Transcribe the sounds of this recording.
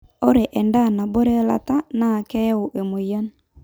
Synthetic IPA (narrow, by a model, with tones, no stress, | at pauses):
o˦ɾe˨ʔɛ˨nda˦˨na˨bo˦ɾe˦la̰˨ta˦na˦˨kɛ˦ʊ˨ʔe˨mo˨ja˦n